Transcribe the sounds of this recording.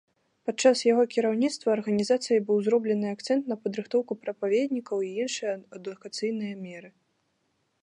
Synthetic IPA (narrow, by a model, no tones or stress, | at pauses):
pat͡ʂːasjaɣɔkʲiɾawnʲit̪st̪vɐːrɣɐnʲizat̪sɨjɐbɨwzɾɔblʲɛnɨak̚t̪sɛnt̪nɐpɐd̪ɾɨxt̪ɔwkupɾɐpavʲed̪ʲnʲikɐwiinʂɨjɐɐd̪ukat̪sɨjnɨjɐmʲɛɾɨ